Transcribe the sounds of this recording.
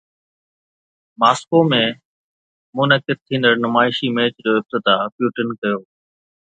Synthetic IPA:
maːskoːmẽ | mʊnəkɪd̪̚t̪ʰĩːnd̪əɾnʊmaːɪʃimeːt͡ɕd͡ʑoːɪb̚t̪ɪd̪aːpjuːʈənkɐjoː

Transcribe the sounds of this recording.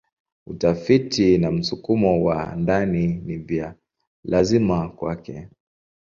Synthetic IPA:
utafitinam̩sukumɔwa̰ndaninivia | lazimakwakɛ

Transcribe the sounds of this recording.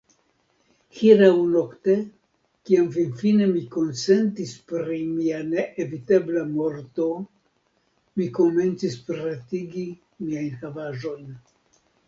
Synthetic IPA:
hiɾawno̞kte̞ | kiamfinfine̞miko̞nse̞ntispɾimianeʔeviteblamo̞ɾto̞ | miko̞me̞nt͡sispɾatiɡi | miajnxavaʒo̞jn

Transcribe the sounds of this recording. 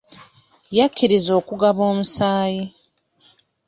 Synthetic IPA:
jakʲːiɾizo̞ːkuɡaβoːmusaːji

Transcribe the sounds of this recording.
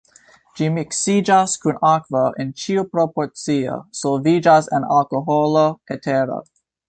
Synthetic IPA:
d͡ʒimiksid͡ʒaskunakvaʔent͡ʃiupɾopoɾt͡sio̰sovid͡ʒasena̰lkoɦoloetʰeɾo̰

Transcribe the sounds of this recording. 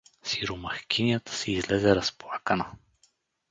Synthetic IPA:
siɾomɐxkʲinijat̪ə̥sɛizlɛzɛɾɐsplˠakənə

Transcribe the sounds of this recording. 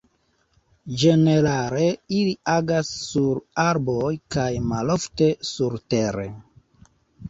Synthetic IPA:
d͡ʒe̞ne̞ɾaɾe̞iliaɡasːuɾaɾbo̞jkajmalo̞fte̞suɾteɾḛ

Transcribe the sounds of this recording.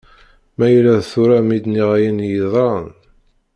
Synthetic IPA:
mæjlːæðθuɾamid̪niʁæjənjiðˤɾˤɑn

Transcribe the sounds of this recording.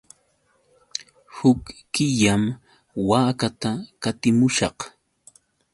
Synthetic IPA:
hʊkː | ɪʎam | waːkat̪akat̪ɪmʊʃɑ̰q

